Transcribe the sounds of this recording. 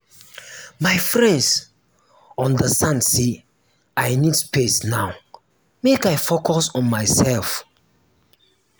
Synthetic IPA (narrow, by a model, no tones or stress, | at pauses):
maɪfɹɛ̃nds | ɔ̃ndəsãnse | aɪnidspʰesnaw | mekajfokɔsɔ̃nmaɪsɛlf